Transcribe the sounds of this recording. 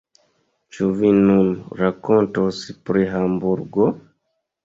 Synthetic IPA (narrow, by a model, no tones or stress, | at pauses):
t͡ʃuvinunɾakontospɾiɦambuɾɡo